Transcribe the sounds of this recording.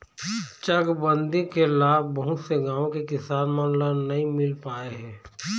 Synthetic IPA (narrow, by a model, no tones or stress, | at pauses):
t͡ʃɐɡbə̃nd̪ĩkelaːbbɐɦʊt̪seɡãːõkekɪsaːnmanlanɐɦĩmɪlpaːeɦɛ̃ː